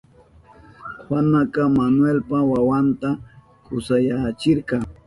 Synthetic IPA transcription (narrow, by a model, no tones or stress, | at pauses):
wanakɑmanwelpawawant̪a | kʊsajat͡ʃɪɾqɑŋ